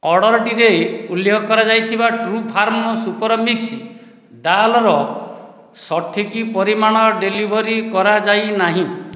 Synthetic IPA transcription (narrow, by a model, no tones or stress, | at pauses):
ɔɽɔɾɔʈiɾeulːekʰɔkɔɾad͡ʒajt̪ʰibaʈɾupʰaɾmɔsupɔɾɔmbiksi | ɖalɔɾɔ | sɔʈʰikipɔɾimaɽ̃ɔɖelibʱɔɾikɔɾad͡ʒajnaɦĩ